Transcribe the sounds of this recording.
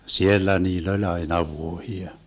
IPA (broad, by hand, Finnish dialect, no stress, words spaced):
sielːæ niːlː olʲ ɑinɑ ʋuohiɑ